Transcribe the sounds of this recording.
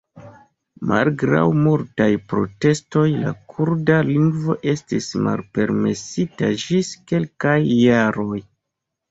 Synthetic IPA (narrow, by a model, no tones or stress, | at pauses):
ma̰lɡɾa̰wmultajpɾo̞̰te̞sto̞jla̰kʰuɾdaliŋɡvo̞̰ʔe̞stisma̰lpe̞ɾme̞sitad͡ʒiske̞lkajːaɾo̞j